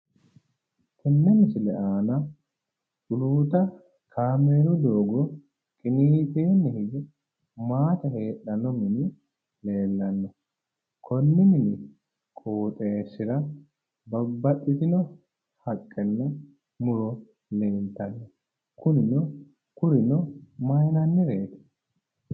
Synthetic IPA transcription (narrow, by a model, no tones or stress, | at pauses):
k̪ɛnːɛnɪsɪlɛʔaːnɐ | ʔʊluːt̪ɐ | kʰaːmeːɾɔd̪oːɡɔ | kʼɪniːt̪eːnːɛhɪɡɪ | maːt̪ɐhe̞ːɗɐnɔmɪnɪ | le̞ːlːɐnːɔ | kʰɔnːɪmɪnɪ | kʼoːt̪ʼeːsɪɾɐ | bɐbːɐɗːɪt̪ɪnɔ | hɐkʼːɛnːɛ | mʊɾɔ | leːnt̪ːɐnːɔ | kʊnɪnɔ | kʊɾɪnɔmɐjnɐnːɪɾe̞ːt̪ɛ̥